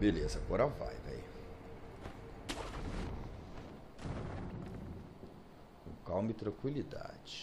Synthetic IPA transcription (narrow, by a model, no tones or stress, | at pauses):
belezɐaɡɔɾɐva̰jvɛ̰j | kawmɪt̪ɾɐ̃kwilid̪a̰d͡ʒɪ̥